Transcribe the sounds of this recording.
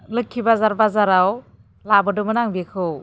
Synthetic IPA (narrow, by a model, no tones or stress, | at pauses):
lɯkʰːibazaɾbazaɾaw | labɯdɯmɯnaŋbikʰɯw